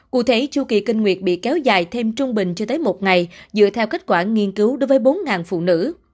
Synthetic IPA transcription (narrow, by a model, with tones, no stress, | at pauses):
kṵ˧˩t̪ʰe˨˦t͡ɕu˧kḭ˨˩kï˧ŋ̟ŋwḭ˨˩ət̚ɓḭ˧˨kɛ˨˦wza̰ː˨˩jt̪ʰe˧mt͡ɕʊ˧ŋ͡mɓï˨˩ŋ̟t͡ɕɔ˧t̪əː˨˦jmo˨˩t̚ŋa˨˩jzɨ̰˧˨ət̪ʰɛ˧wke˦˥t̚kwaː˧˩ŋi˧ənkɨ˨˦wɗo˨˦jvəː˨˦jɓo˨˦nŋaː˨˩nfṵ˧˨nɨ̰˧˥